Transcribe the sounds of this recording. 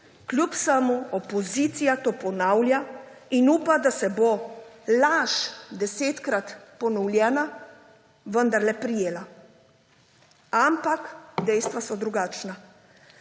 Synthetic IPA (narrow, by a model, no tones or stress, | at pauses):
klʲjupsəmuɔpɔziːt̪sijat̪oːpɔnawljainuːpad̪asɛbolaʃd̪ɛseːt̪kɾat̪pɔnɔwlʲjɛːna | ʋənd̪aɾlɛpɾijeːla | ampakd̪ɛjst̪ʋasɔd̪ɾuɡaːt͡ʃna